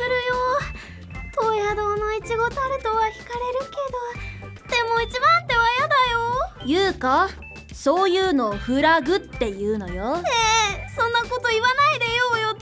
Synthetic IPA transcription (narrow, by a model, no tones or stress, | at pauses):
sɨɾɯ̟jo | t̪oːjad̪o̞ːnoit͡ɕiɡo̞t̪oaɾɯ̟t̪oβakʲi̥kaɾe̞ɾɯ̟ke̞d̪o̞ | d̪̥e̞mo̞it͡ɕibãnt̪e̞βajad̪ajojɯ̟ːka | so̞ːjɯ̟ːno̞ɸɯ̟ɾaɡɯ̟t̪ːe̞jɯ̟ːno̞̰joesõ̞nːako̞t̪o̞iβanaid̪ejoːjo